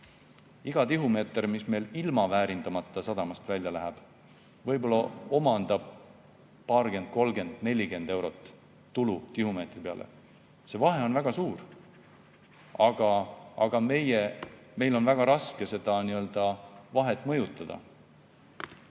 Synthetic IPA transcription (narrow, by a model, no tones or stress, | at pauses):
iɡ̥ɑt̪iɦumeːt̪ermisme̞jlilmɑvæːɾind̪̥ɑmɑt̪ˑːɑsɑd̪ɑmɑst̪vælʲjɑlæɦæb̥ | vɤ̞jbo̞lːɑo̞mɑnd̪̥ɑb̥̚ | pːɑːrɡe̞nd̪̥̚ko̞lɡe̞nd̪̥ne̞lʲiɡe̞nd̪̥e̞wɾo̞t̪ˑː | ulut̪ihume̞ːt̪ˑripe̞ɑ̰lʔḛ | se̞vɑɦe̞o̞nvæɡ̥ɑsuːr | ɑɡ̥ɑɑɡ̥ɑme̞je | me̞jlo̞nvæɡ̥ɑɾɑske̞se̞d̪̥ɑniø̞ld̪̥ɑvɑɦe̞t̪ːˑmɤjut̪ːˑɑd̪̥ɑ̰